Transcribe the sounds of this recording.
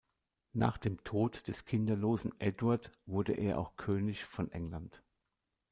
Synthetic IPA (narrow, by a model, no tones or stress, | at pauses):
na̰ːχd̥eːmtʰoːtd̥ɛskʰɪndɐloːzn̩ʔɛdwaɐtv̥ʊɐdəʔḛːɐʔa̰ʊxkʰøːnɪçfɔnʔɛŋlant